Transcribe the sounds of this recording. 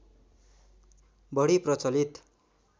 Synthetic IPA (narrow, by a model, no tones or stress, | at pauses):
bʌɽiprʌt͡sʌlit̪